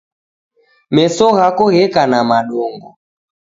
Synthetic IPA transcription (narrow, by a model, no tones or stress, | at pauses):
mɛsɔɣakɔɣɛkanamaɗɔŋɡɔ